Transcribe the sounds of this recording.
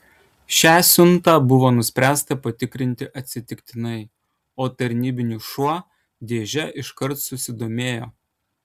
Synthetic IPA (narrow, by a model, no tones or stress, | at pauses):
ʃʲæːsʲʊnt̪ɑːbʊʋoːnʊsʲpʲɾʲæːst̪ɐpɐt̪ʲɪkɾʲɪnʲt̪ʲɪʔɐt̪ʲsʲɪt̪ʲɪkʲt̪ʲɪnɐɪ | oːt̪ɐɾʲnʲiːbʲɪnʲuʃuɔ | d̪ʲeːʒʲɛʔɪʃkɐɾt̪sʊsʲɪd̪oːmʲeːjoː